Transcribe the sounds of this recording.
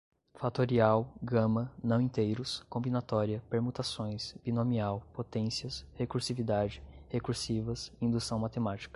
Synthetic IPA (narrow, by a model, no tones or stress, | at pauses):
fat̪oɾiawɡɐ̃mɐnɐ̃w̃ĩt̪ejɾʊskõmbinat̪ɔɾiɐpeɾmut̪asõj̃sb̥inõmiawpot̪ẽsiɐshekuɾsivid̪ad͡ʒɪhekuɾsivɐsĩnd̪usɐ̃w̃mat̪emat͡ʃi̥kɐ